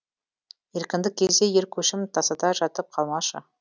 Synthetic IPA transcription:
je̞ɾkʲɪnd̪ɪk̚ʲʰːezd̪e̞je̞ɾkʲʰɵʃɪmt̪ʰɑsɑd̪ɑʒɑt̪əp̚qʰɑlˠmɑʃə

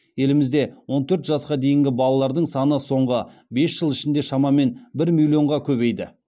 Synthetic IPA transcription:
je̞lɪmɪzd̪e̞wo̞nt̪ʰɵɾt̪ʒɑsqɑd̪e̞jɪŋɡʲɪbɑlˠɑlˠɑɾd̪əɴsɑnəso̞ɴʁəbe̞sʒ̥əlˠɪʃɪnd̪e̞ʃɑmɑme̞nbɪɾmʲilʲˠjo̞ɴʁɑkʲʰɵbe̞jd̪ɪ̰

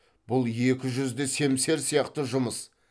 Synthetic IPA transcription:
b̥ʊlˠje̞kʲɪʒʏzd̪ese̞mse̞ɾsijɑqt̪əʒʊməs

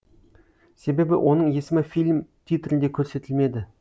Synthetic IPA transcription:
se̞be̞bɪ̰wʔo̞nəɴje̞sɪmɪfilʲmt̪ʰijt̪ɾʲɪnd̪e̞kʲʰɵɾse̞t̪ɪlme̞d̪ɪ

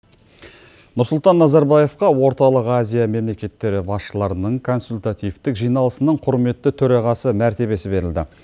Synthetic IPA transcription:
nʊɾsʊlˠt̪ɑnːɑzɑɾbaje̞fqɑwo̞ɾt̪ɑlˠəqazʲijame̞mle̞kʲe̞t̪ːe̞ɾɪbɑsʃəlˠɑɾənəɴkʰo̞nsulʲt̪at̪ijvt̪ɪkʒijnɑlˠəsənəɴqʰʊɾme̞t̪ːɪt̪ʰɵɾɑʁɑsəmæɾt̪e̞βe̞sɪbe̞ɾɪld̪ɪ̰

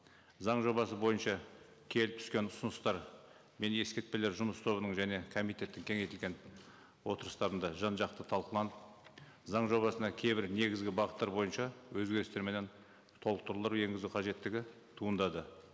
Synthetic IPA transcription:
zɑɴʒo̞βɑsəbo̞jənʃɑ | kʲʰe̞lɪp̚t̪ʰʏ̥skʲe̞nʊsʊnəst̪ɑɾ | me̞ne̞skʲet̪̚pe̞le̞ɾʒʊməst̪ʰo̞βənəɴʒæne̞kʰo̞mijt̪ʲe̞t̪ːɪŋkʲʰe̞ŋe̞jt̪ɪlʲɡʲe̞n | wo̞t̪əɾəst̪ɑɾənd̪ɑʒɑnʒɑq̚t̪ət̪ʰɑlˠqəlˠɑnəp | zɑɴʒo̞βɑsənɑkʲʰe̞jbɪɾne̞ɡʲɪzɡʲɪbɑʁət̪ːɑɾbo̞jənʃɑwɵzɡʲe̞ɾɪst̪e̞ɾme̞ne̞n | t̪ʰo̞lˠəq̚t̪ʊɾlˠəɾuwe̞ŋɡʲɪzuqʰɑʒe̞t̪ːɪɡʲɪ | t̪ʰuənd̪ɑd̪ə

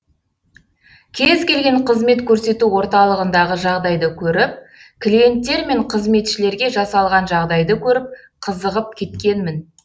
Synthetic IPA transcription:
kʲʰe̞zkʲe̞lɡʲe̞ɴqʰəzme̞t̪kʲʰɵɾse̞t̪uwo̞ɾt̪ɑlˠəʁənd̪ɑʁəʒɑʁd̪ɑjd̪əkʲʰɵɾɪp̚kʲʰlʲije̞nt̪ːe̞ɾme̞ɴqʰəzme̞t̪ʃɪle̞ɾɡʲe̞ʒɑsɑlˠʁɑnʒɑʁd̪ɑjd̪əkʲʰɵɾɪp̚ | qʰəzəʁəp̚kʲʰe̞t̪kʲe̞nmɪn

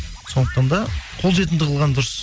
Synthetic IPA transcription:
so̞nd̪əq̚t̪ɑnd̪ɑqʰo̞lˠʒe̞t̪̬ɪnd̪ɪqʰlˠʁɑnd̪ʊɾəs

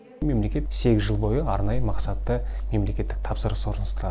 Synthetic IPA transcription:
me̞mle̞kʲe̞t̪se̞ɡʲɪzʒəlˠbo̞jəɑɾnɑjəmɑqsɑt̪ːəme̞mle̞kʲe̞t̪ːɪk̚t̪ʰɑpsəɾəswo̞ɾənəst̪əɾɑ

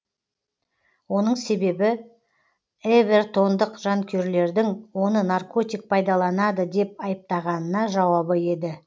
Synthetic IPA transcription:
wo̞n̪əɴse̞be̞bɪ | eve̞rt̪ʰo̞nd̪əqʒ̥ɑŋkʲʰe̞ɾle̞ɾd̪ɪŋwo̞nənarko̞t̪ʲijk̚pʰɑjd̪ɑlˠɑnɑd̪əd̪e̞p̚ɑjəp̚t̪ɑʁɑnənɑʒɑwɑbəje̞d̪ɪ

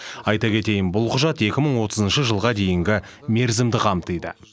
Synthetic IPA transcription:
ɑjt̪ɑkʲʰe̞t̪e̞jɪnbʊlˠqʰʊʒɑt̪e̞kʲɪməɴwo̞t̪əzənʃəʒəlˠʁɑd̪e̞jɪŋɡʲɪ | me̞ɾzɪmd̪ɪqʰɑmt̪əjd̪ɪ

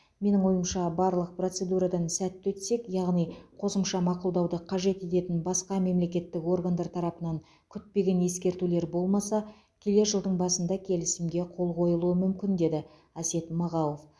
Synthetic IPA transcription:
me̞nɪŋwo̞jəmʃɑbɑɾlˠəq̚pro̞t̪se̞d̪uɾɑd̪ɑnsæt̪ːwɵt̪se̞kjɑʁnijqʰo̞səmʃɑmɑqʊlˠd̪ɑwd̪əqʰɑʒe̞t̪e̞t̪e̞t̪ɪnbɑsqɑme̞mle̞kʲe̞t̪ːɪko̞rɡand̪ɑɾt̪ʰɑɾɑpənɑŋ | kʲʰʏt̪̚pe̞ɡʲe̞nje̞skʲe̞ɾt̪ule̞ɾbo̞lˠmɑsɑ | kʲʰele̞ʒəlˠd̪əɴbɑsənd̪ɑkʲʰe̞lɪsɪmɡʲe̞qʰo̞lˠqʰo̞jəlˠuəmʏmkʲɪnd̪e̞d̪ɪ | æse̞t̪mɑʁɑw̪ˠof

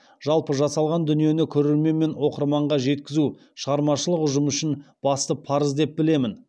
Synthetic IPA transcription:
ʒɑlˠpəʒɑsɑlˠʁɑnd̪ʏnije̞nɪkʲʰɵɾe̞ɾme̞nme̞nwo̞qəɾmɑɴʁɑʒe̞t̪kʲɪzu | ʃəʁɑɾmɑʃəlˠəqʊʒəmʏʃɪnb̥ɑst̪əpʰɑɾəzd̪e̞p̚bɪle̞mɪn

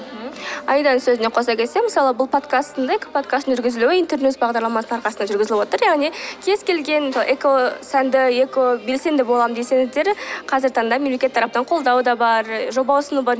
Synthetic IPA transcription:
ɑjd̪ɑnsɵzɪne̞qʰo̞sɑkʲʰe̞t̪se̞məsɑlˠəbʊlˠpʰo̞t̪kast̪ːənd̪ɑekʲɪpʰot̪kast̪ənʒʏɾɡʲɪzɪluwɪint̪eɾnusbɑʁd̪ɑɾlˠɑmɑsəɑɾqɑsənd̪ɑʒʏɾɡʲɪzɪlɪbwot̪əɾjɑʁnikʲʰe̞z̥kʲe̞lɡʲe̞nˠʔekosænd̪ɪekobe̞lse̞nd̪ɪbolˠɑmd̪ese̞ŋɪzd̪e̞ɾqʰɑzɪɾt̪ʰɑnd̪ɑme̞mlekʲe̞t̪ʰːɑɾɑp̚nɑɴqʰo̞lˠd̪ɑwd̪ɑbɑɾʒo̞bɑwʊsənubɑɾ

